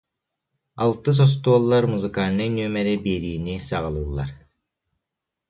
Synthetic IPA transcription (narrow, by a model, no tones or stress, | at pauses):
alˠt̪ɯs̬ɔs̬t̪uɔlˠːaɾmuzɯkaːnɯnyœmɛɾibiːɾiːnisaʁalˠɯːlˠːa̰ɾ